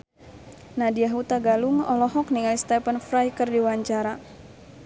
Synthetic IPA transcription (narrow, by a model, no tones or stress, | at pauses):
nadiaɦut̪aɡaluŋɔlɔɦɔk̚niŋalist̪ɛpənfɾajkərdiwaɲt͡ʃaɾa